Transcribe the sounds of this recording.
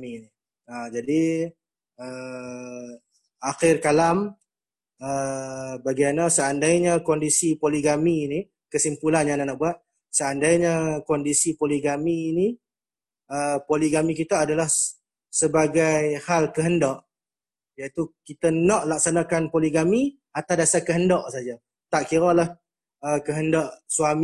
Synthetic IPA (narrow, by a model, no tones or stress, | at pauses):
ini | ad͡ʒadi | ə | axɪrkalam | əbaɡimanəsəandajɲakɔndisipoliɡamiːni | kəsimpulanjananaʔbuat̪̚ | səandajɲakɔndisipoliɡamiːni | əpoliɡamik̬it̪əːdalah | səbaɡajhalkəɦəndɔʔ | jait̪ukit̪ənɔʔlak̚sanakanpoliɡami | at̪awdasakəɦəndɔʔsad͡ʒa | t̪aʔkiɾalah | əkəɦəndɔʔswam